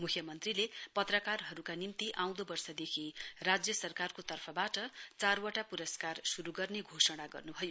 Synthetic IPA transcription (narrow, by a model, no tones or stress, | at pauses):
mukʰjʌmʌnt̪rilepʌt̪rʌkarɦʌɾukanimt̪iʔaw̃d̪obʌrsʌd̪ekʰirad͡zjʌsʌrkarkot̪ʌrpʰʌbaʈʌt͡sarwaʈapuɾʌskarsuɾuɡʌrneɡʱosʌɽ̃aɡʌ̰rnubʱʌjo